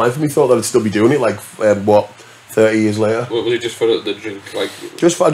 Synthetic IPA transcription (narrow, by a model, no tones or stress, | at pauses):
ãɪnfəmbiθɔˑʔðəɾəd̥stɪlˠbidʉːɪ̃ŋɪʔlaɪkɛmwɔʔ | θɜˑ˞ʔijiəzlˠeʔə˞wɛwʌzɪd͡ʒʌstfə˞ɪðədɹɪ̃ŋkʰlˠaɪkʰʒ̥ʌstfa